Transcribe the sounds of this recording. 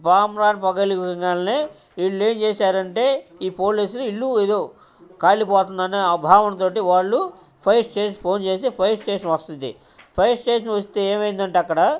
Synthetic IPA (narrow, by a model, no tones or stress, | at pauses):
paːmɾaːnpɐɡɐlikɾiŋɡaːlɐneː | iɭːue̞ːmt͡ʃeːsaːɾɐɳʈeːiːpo̞ːliːsuluilːueːd̪o̞ː | kaːlipɔːt̪und̪ɐneːɐbʱaːʋɐnɐt̪o̞ːʈiʋaːɭːu | pʰɐjsʈeːnpʰo̞ːnt͡ʃeːsipʰɐjsʈe̞ːʂɐnʋɐst̪und̪ḭ | pʰɐjsʈe̞ːʂɐnʋɐst̪eːeːmɐjind̪ɐɳʈːɐkːɐɽa